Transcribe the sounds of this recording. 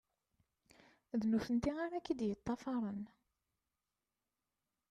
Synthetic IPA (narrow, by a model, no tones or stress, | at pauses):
ðnuθənt̪iaɾækːid̪jət̪ˤːɑfɑɾˤən